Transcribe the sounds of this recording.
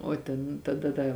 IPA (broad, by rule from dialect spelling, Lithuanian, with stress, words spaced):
oː ˈtʲɛn tɐˈdɐ ˈdɐ